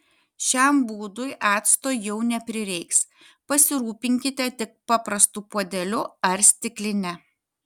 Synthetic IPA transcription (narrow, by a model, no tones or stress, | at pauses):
ʃʲæmbuːd̪ʊjʔɑːt̪st̪oːjjɛʊnʲɛpʲɾʲɪɾʲɛɪks | pɐsʲɪɾuːpʲɪŋʲkʲɪt̪ʲɛt̪ʲɪk̚pɑːpɾɐst̪uːpoːd̪ʲɛlʲʊɐɾʲsʲt̪ʲɪklʲɪnʲɛ